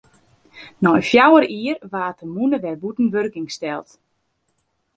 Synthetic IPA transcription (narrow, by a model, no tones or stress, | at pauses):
nɔənfjawəriərʋaːtəmunəʋɛrbutn̩ʋørkɪŋstɛlˠt